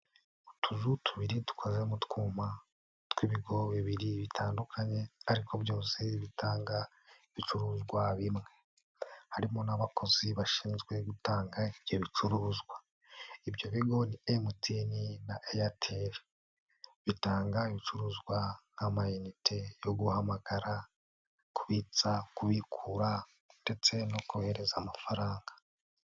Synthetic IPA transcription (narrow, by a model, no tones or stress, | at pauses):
utʰuzutʰuβiɾitu̥kʰozemutkuːma | twiβiɡo̞βiβiɾiβitʰaːndukʰaɲe̞aɾikʰoβjoːnseβitʰaːŋɡa | iβit͡ʃuɾuːzɡwaβimŋe̞ | haɾimo̞naβakoziβaʃiːnzɡwe̞ɡutaːŋɡaibjoβit͡ʃuɾuːzɡwa | ibjo̞βiɡo̞niemutininaʔejatʰeɾ | βitaːŋɡaiβit͡ʃuɾuːzɡwanamajinitʰejo̞ɡuhamaɡ̥aɾa | kuβit͡sakuβikʰuɾa | nde̞t͡se̞no̞kuhe̞ɾe̞zamafaɾaːŋɡḁ